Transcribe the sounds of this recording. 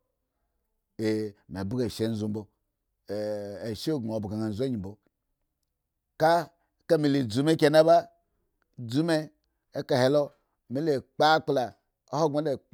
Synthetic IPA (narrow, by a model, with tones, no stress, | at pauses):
e˨m˨e˨bu˦ɡe˨ʃe˦n̩˦zu˨m̩˦bo˨ | e˨ʃe˦˨ɡo˨bu˨ɡa˨ŋa˨n˨zu˦a˦ɲi˨bo˨ | ka˦ | ka˦mi˨le˨d͡zu˨˦me˦kʲe˨˦na˦ba˦ | d͡zu˦me˦ | e˦ka˨he˨˦lo˦ | mi˦le˨k͡pa˦k͡pla˨ | o˦ho˦ŋ͡mo˨˦le˦˨